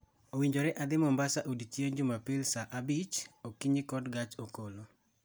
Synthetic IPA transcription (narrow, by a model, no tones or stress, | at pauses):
owiɲd͡ʒoɾɛʔad̪ɪmɔmbasaʔodit͡ʃjeɲd͡ʒʊmapɪlsaʔabit͡ʃokiɲɪkɔdɡat͡ʃokolo